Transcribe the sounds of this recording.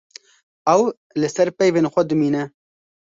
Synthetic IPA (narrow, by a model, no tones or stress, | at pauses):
ɛw | lɨsɛɾpɛjveːnxʷɛd̪ɨmiːnɛ